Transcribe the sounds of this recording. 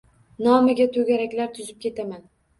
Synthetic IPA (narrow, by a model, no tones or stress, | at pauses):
nɒmɪɡʲat̪ʰɵɡʲaɾakʲlaɾt̪ʰʊzɪp̚kʲʰe̞t̪ʰaman